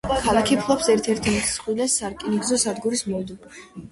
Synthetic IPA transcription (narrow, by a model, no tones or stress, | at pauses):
kʰalˠakʰipʰlˠɔpsɛɾt̪ʰɛɾt̪ʰimit̪ʰsχʼwilɛsaɾkʼiniɡzɔsad̪ɡuɾismɔld̪ubuʃi